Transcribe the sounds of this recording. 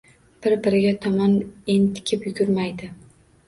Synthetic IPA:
b̥ɪɾbɪɾɪɡʲat̪ʰɒmɒnent̪ʰɪ̥kʲʰɪpjʊɡʲʊɾmajd̪ɪ

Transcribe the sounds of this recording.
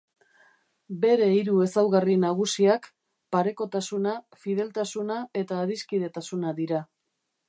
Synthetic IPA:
be̞ɾe̞iɾue̞sawɣarinaɣ̞usiak | paɾe̞ko̞t̪asuna | fið̞e̞lt̪asunae̞t̪aːɾiskið̞e̞t̪asunaðiɾa

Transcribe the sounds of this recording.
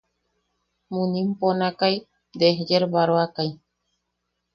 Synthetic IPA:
mũnĩmponakaj | d̪eɦd͡ʒeɾβaɾoakaj

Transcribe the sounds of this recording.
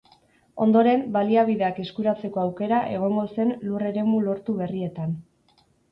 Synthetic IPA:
o̞̰nd̪o̞ɾe̞mbaliaβiðe̞ake̞skuɾat͡se̞ko̞awke̞ɾaʔe̞ɣ̞o̞ŋɡo̞se̞nlure̞ɾe̞mulo̞ɾt̪uβe̞rie̞t̪an

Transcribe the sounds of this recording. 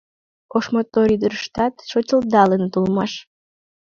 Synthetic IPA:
oʃmot̪ːoɾid̪ərʃt̪ɑt̪ʃot͡ɕəld̪ɑlənt̪ulmɑʃ

